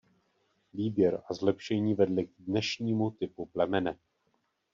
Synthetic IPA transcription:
viːbjɛɾazlɛpʃɛɲiːvɛdlɪɡ̚dnɛʃɲiːmut̪ɪpuplɛmɛnɛ

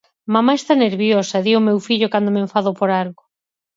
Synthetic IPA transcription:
mamaest̪aneɾβjosɐeðiomewfiʎʊkand̪omeɱfaðopoɾaɾɣo

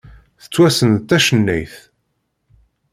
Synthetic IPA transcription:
θə̥t͡sːwæsənt̪ːæʃənːæ̰jθ

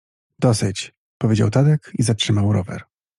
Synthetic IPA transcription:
d̪̥ɔsɘt͡ɕ | pɔvʲed͡ʑa̰wt̪ad̪ɛkizatʂɘmawɾɔvɛ̰ɾ

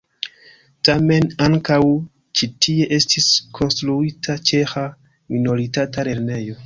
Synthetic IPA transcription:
tame̞naŋkaw | t͡ʃitʰie̞ʔe̞stʰiskʰo̞nstɾuitʰat͡ʃe̞xa | mino̞ɾitatale̞ɾne̞jo̞

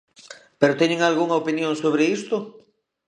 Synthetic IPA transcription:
peɾot̪eɲeŋalɣuŋɐopinjõŋsoβɾeist̪ʊ

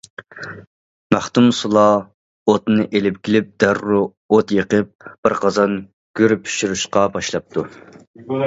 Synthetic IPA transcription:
mæχt̪umsulˠɑ | ot̪nɨʔelɪp̚kʲilɪp̚d̪̥æɾːu | ot̪jeqəp̚b̥ɪɾqʰɑzɑn | ɡ̥ʲøɾypʰy̥ʃyɾuʃqɑbɑʃlˠɑp̚t̪ʰu

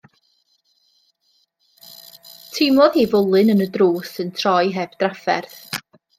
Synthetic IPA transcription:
tʰɪmˠɔðhiːvʊlˠɨnənədruːsəntʰrɔjɦɛb̥d̥rafɛ̰rθ

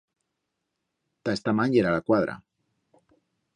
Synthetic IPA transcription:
t̪aest̪amãɲɟeɾalakwaðɾa̰

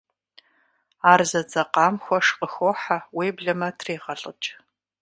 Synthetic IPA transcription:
aːrzɐd͡zʼɐqɑːmxʷɔʂqʼəxoːħaweːbɮɐmɐtʰreːʁɐɬʼə̰t͡ʃʼ

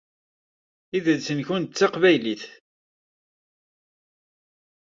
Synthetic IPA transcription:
iðəlsənçʊnt͡sːɑqvæjliθ

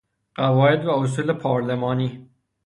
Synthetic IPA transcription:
ɢ̥ævɒːjed̪væos̬uːlepʰɒːɾlemɒːniː

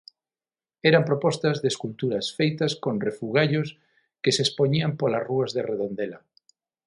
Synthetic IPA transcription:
ɛɾampɾopɔst̪ɐzðeskult̪uɾɐsfejt̪ɐskonrefuɣaʎos | kesespoɲiampolɐsruɐzðereðond̪elɐ

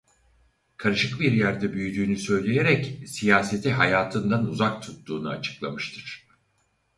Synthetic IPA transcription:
kʰaɾɯʃɯk̚biɾjæɾd̪ɛbyjyd̪yːnysø̞jlʲe̞jeɾɛcsijaːse̞t̪ʰiɦajaːt̪ʰɯnd̪anuzak̚t̪ʰut̪ːuːnua̰t͡ʃʰɯ̥klˠamɯʃt̪ʰɯɾ̥

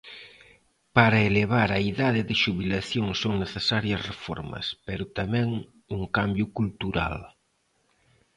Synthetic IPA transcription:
paɾɐeleβ̞aɾɐiðaðɪðɪʃuβilaθjoŋsoŋneθesaɾjɐsrefɔ̰ɾmɐ̰speɾʊt̪amɛ̃ŋ | uŋkambjʊkult̪uɾa̰l

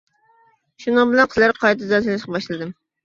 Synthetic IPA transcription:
ʃunɨŋbɪlɛnqʰəzlˠæɾqʰɑjt̪ʰɨzɑsɨlɪʃqɑbɑʃlˠɨd̪ɨm

